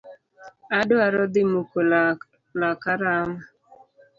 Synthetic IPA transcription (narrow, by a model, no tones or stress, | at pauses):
adʊaɾɔd̪ɪmuko | lakaɾama